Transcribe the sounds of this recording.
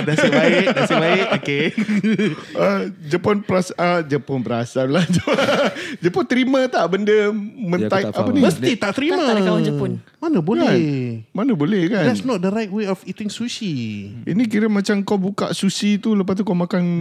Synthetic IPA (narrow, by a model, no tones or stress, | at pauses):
dasadasibaɪkoke | əd͡ʒəponpɾasəd͡ʒəponpəɾasanlahd͡ʒə | d͡ʒəpont̪əɾimãt̪aʔbəndəmə̃naiʔʔapənĩməst̪it̪aʔt̪əɾimãaaawand͡ʒəpʊn | manəbokɛanmanəbolɛhkandɛtsnɔt̚dəɾajt̚weɔfit̪ɪŋsusiḭnik̬iɾəmat͡ʃamkawbuka̰ʔsusit̪uləp̬ast̪ukawmakan